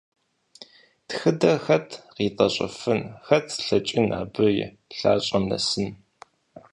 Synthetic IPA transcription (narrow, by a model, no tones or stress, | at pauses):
txɨdɐxɐtʰʁiːtʼɐɕʼɐ̰fɨnxɐtʰɬɐt͡ʃʼɪnʔa̰ːbɨjɛ̰ | ɬaːɕʼɐmnɐ̰sɨn